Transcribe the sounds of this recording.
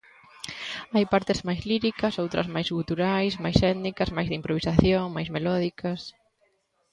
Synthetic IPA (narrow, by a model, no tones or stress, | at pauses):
ajpaɾt̪ɪzmajzliɾikɐsowt̪ɾɐ̰zmajzɣut̪uɾajsmajsɛt̪nikɐzmajzðimpɾoβisaθjoŋmajzmelɔðikʰɐs